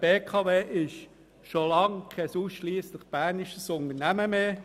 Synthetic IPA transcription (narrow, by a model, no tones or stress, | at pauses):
b̥eːkʰɑːveːʔɪʃ | ʃolɑŋkʰɛsuːsʃliːsləχb̥ænɪʃəsʊnd̪ənæməmeː